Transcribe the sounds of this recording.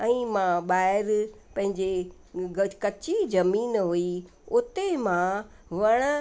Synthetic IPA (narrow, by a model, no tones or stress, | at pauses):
ɛ̃ːmãɓaːɪɾ | pɐ̃ɦɪ̃ɲd͡ʑe | kɐt͡ɕizɐmiːnɦui | ʊt̪emã | ʋɐɽ̃